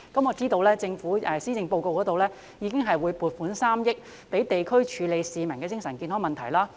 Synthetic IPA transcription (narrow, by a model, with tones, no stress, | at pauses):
kɐ˨˥mɔː˨˧t͡siː˥t̪o˧wlɛː˥t͡sɪ˧ŋfuː˨˥ɛ˨˧siː˥t͡sɪ˧ŋpo˧wko˧wkɔː˨˥t̪o˨wlɛː˥ | jiː˨˧kɪ˥ŋɦɐ˨jwuː˨˧jpuː˨˩t̚fuː˨˥nsaː˥mjɪ˥k̚ | pe˨˥jt̪e˨jkʰɵ˥ɥt͡ʃʰyː˨˧le˨˧jsiː˨mɐ˨˩ŋkɛː˧t͡sɪ˥ŋsɐ˨˩nkiː˧nɦɔ˨˥mɐ˨nt̪ʰɐ˨˩jlaː˥